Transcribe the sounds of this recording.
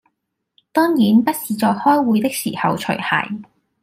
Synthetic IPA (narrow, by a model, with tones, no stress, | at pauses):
t̪ɔː˥ŋjiː˨˥npɐ˥t̚siː˨˧t͡sɔː˨˧khɔː˥jwuː˨˧jt̪ɪ˥k̚sḭː˨˩hɐ˨˧wt͡ʃʰɵ̰˨˩ɥhɐ̰˨˩j